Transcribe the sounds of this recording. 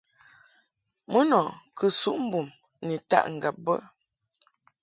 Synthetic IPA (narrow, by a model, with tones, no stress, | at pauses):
mə˦nɔ˨kʰə˨su˦ʔm̩˦bu˨m | ni˨ta̰˦ʔŋ̩˨ɡa˨p̚bə̰˦